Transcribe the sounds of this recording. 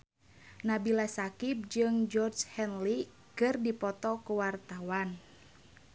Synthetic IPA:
nabilasakip̚d͡ʒɨŋd͡ʒɔrd͡ʒhɛnli | kɨrdipɔt̪ɔkuwart̪awan

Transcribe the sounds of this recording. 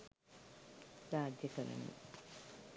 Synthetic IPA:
ɾaːd̪jɐkɐɾɐ̰nṵ

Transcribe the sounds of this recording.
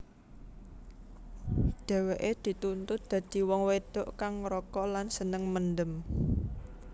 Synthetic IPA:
ɖ̪̥ɛ̤weʔed̪̥i̤t̪unt̪ʊt̪̚d̪̥ä̤d̪̥i̤wɔŋwed̪̥oʔkaŋɾɔkɔlansənəŋmənd̪əm

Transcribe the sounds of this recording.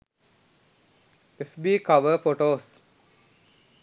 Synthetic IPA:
efbiːkɐʋəfoʈoːs

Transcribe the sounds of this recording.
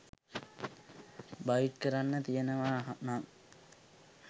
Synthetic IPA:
bajiʈkəɾanːət̪ijənəʋaːɦaʔnaŋ

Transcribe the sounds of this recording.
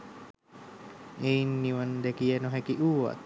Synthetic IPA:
enːiwand̪ekianoɦekiʔua̰t̪̚

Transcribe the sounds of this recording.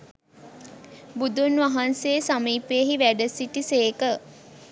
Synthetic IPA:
bud̪unʋaɦanseːsamiːpeːɦiʋæɖəsiʈiseːkə

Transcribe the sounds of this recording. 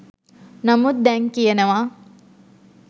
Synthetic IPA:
nɐmud̪̚d̪ɛŋkijenɐʋaː

